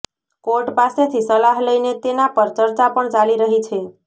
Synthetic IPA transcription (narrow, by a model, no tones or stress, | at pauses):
koɾʈpaset̪ʰisəlaɦləijnet̪enapəɾt͡ʃəɾt͡ʃapəɳt͡ʃaliɾəɦit͡ʃʰe